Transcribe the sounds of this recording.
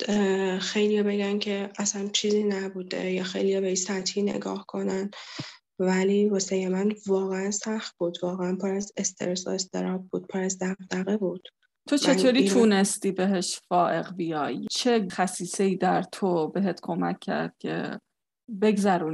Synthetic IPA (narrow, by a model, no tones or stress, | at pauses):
xejlijɒbe̞ɡæncʰe̞ʔæsænt͡ʃʰiːziːnæbuːd̪ḛjɒːxejlijɒbeisæt̪hiːnḛɡɒ̰ːhkʰo̞næn | væliːvosejemænvɒːɣeænsæxt̪̚b̥uːd̪vɒːɣeænpʰoɾæzest̪ʰḛɾesoest̪ʰḛɾɒːb̚buːd̪̥̚pʰoɾæzd̪æɣd̪æɣebuːd̪̥ | t̪ʰot͡ʃʰe̞t̪ʰoːɾiːt̪ʰuːne̞st̪iːbeɦeʃfɒːʔeɣbijɒːjt͡ʃʰe̞xæsiːse̞iːd̪æɾt̪ʰobe̞ɦet̪kʰomæ̰kʰːæ̰ɾd̪̥̚cʲʰḛ | be̞ɡzæɾuːn